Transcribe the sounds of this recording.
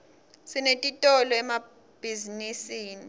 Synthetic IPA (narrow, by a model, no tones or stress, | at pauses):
sinetʼitʼɔlɔɛma | b̥ʱizinisiːni